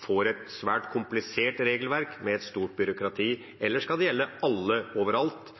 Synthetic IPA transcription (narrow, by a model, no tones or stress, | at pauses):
foːɾɛt̪sʋæːʈkʰʊmplɪseːʈɾeːɡəlʋæɾkmɛɛt̪st̪uːʈ̚bʏɾʊkɾɑt̪ʰiː | ɛlːəʂkɑld̪ɛjɛlːəɑlːəoːʋəɾɑlt̪